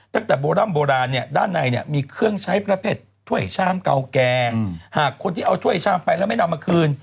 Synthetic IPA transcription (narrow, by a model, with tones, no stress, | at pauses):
t̪a˧˥˩ŋt̪ɛː˨˩boː˧ɾaː˥˩˨mboː˧ɾaː˧nːi˥˩ɐdaː˥˩nːa˧jni˦˥˩ɐmiː˧kʰɯ˥˩əŋt͡ɕʰa˦˥jpɾa˧pʰeː˧˥˩t̪ʰːu˥˩əjt͡ɕʰaː˥˩mka̰˧wkɛː˧haː˨˩kʰːo˧nt̪ʰiː˥˩ʔa˧wt͡ɕ̪ʰu˥˩əjt͡ɕʰaː˥˩˨mpa˧jlɛː˥˩˨ma˥˩na˧mːa˧kʰɯː˧n